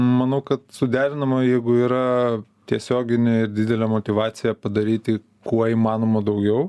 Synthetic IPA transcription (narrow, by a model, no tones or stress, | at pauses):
mɐnɐʊkɐt̪sʊd̪ʲæːɾʲɪnɐmɐjɛɪɡʊiːɾɐt̪ʲiɛsʲoːɡʲɪnʲeɪɾd̪ʲɪd̪ʲɛlʲɛmot̪ʲɪʋɑːt̪sʲɪjɛpɐd̪ɐɾʲiːt̪ʲɪ | kuɔiːmɑːnoːmɐd̪ɐʊɡʲɛʊ